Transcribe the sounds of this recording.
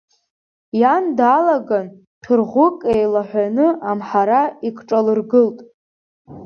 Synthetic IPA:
jandalaɡan | tʰɨrʁʷʊkʼejlaħʷanɨamħaɾaikʰʼʈ͡ʂʼalɨrɡɨltʼ

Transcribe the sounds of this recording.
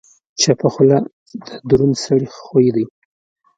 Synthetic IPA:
t͡ʃapaxula | d̪̥əd̪ɾunsaɽixojid̪aj

